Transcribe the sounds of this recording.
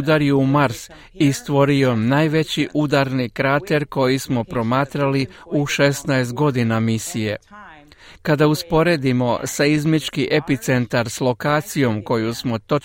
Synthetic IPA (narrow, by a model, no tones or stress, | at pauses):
d̪aɾjeumaɾs | ist̪ʋo̞ɾio̞naːjʋe̞t͡ɕiʔud̪aɾnikɾat̪e̞ɾko̞jismo̞pɾo̞maːt̪ɾaliuʃe̞st̪naes̬t̪̚ɡo̞d̪inamisije̞̰ | kad̪auspo̞ɾe̞d̪imo̞saizmit͡ʃkiʔe̞pit̪se̞nt̪aɾslˠo̞kaːt̪sijo̞mko̞jusmo̞t̪o̞